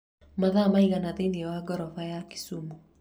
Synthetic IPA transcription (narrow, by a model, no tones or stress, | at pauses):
maðamaiɣanaðendiɛwaɡɔɾɔfajaki̥sumu